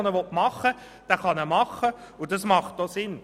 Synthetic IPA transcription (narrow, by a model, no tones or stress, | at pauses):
nəʋɔtmɑχə | d̥æːχɑnɛmɑχə | ʊd̥ɑsmɑχt̚d̥osɪn